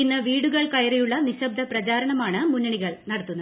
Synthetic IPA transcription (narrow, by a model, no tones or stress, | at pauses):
inːɐʋiːɽuɣɐɭkɐjɐɾejuɭːɐniɕɐb̚d̪ʱɐprɐt͡ɕaːɾɐɳɐmaːɳɨmunːɐɳiɣɐɭnɐɽɐt̪ːunːɐð